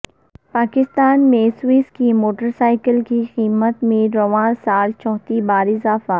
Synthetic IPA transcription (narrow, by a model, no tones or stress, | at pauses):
paːkɪst̪aːnmẽswiːskimoːʈəɾsaːɪkəlkiqiːmət̪mẽɾoʋaːnsaːlt͡ʃɔːt̪ibaːɾɪzaːfa